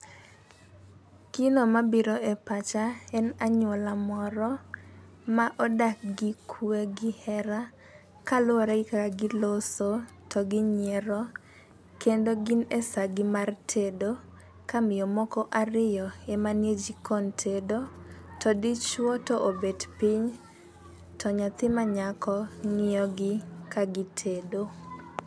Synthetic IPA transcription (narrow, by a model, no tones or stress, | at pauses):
kinomabiɾoʔepat͡ʃaɛnaɲwɔlamɔɾɔ | maʔɔdak̚ɡɪkʰweɡɪhɛɾa | kalʊɾɛɪkakaɡɪloso | tʰɔɡɪɲeɾɔ | kendoɡinesaɡɪmartʰedo | kamɪjɔmɔkɔʔarɪjɔemanjed͡ʒikʰɔntʰedotʰɔdit͡ʃwɔtɔʔobedpiɲ | tɔɲat̪ɪmaɲakʰɔŋɪjɔɡɪkaɡɪtʰedo